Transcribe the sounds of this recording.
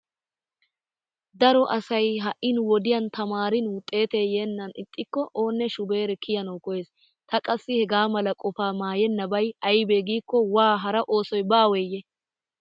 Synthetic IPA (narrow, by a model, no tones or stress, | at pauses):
d̪ɐɾɔʔɐsɐjɦɐʔɪnwɔd̪ɪjɐnt̪ɐmaːɾɪnwʊt̪ʼːe̞ːt̪eːjeːnːɐnɪt̪ʼːɪkːɔʔo̞ːnːɛʃʊbe̞ːɾɛkʰɪjɐnɐwkɔjeːs | t̪ɐkʼɐsːɪhɛɡaːmɐlɐkʼɔfaːmaːjɛnːɐbɐjɐjbeːɡiːkːɔwaːɦɐɾɐʔo̞ːsɔjbaːwɛjːɛ